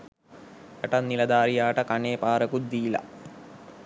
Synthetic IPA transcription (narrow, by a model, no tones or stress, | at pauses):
eʈɐnːilɐd̪aːɾijaːʈɐkaneːpaːɾɐkud̪iːlɐ̰